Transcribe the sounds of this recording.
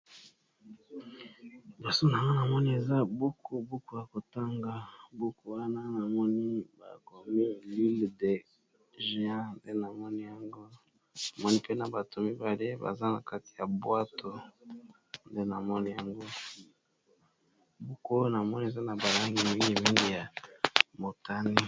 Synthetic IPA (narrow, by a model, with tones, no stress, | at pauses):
bɔ˨so˦na˨ŋɡo˦na˨mɔ˦ni˦e˨za˦bu˦ko˨bu˦ko˦ja˨ko˨ta˦ŋɡa˨bu˦ko˨wa˦na˦na˨mɔ˦ni˦ba̰˨ko˨mi˦li˦lde˨ | ʒã˦nde˦na˨mɔ˦ni˦ja˨ŋɡo˦ | na˨mɔ˦ni˦pe˦na˨ba˨tʰo˨mi˦ba˨le˦ba̰˨za˦na̰˨ka˦ti̥˨ja˨bwa˦to˦ | nde˦na˨mɔ˦ni˦ja˨ŋɡo˦ | bu˦ko˦na˨mɔ˦ni˦e˨za˦na˨ba˨la˦ŋɡi˨mi˦ŋɡi˦mi˦ŋɡi˦ja˨mo˨ta˦ni˦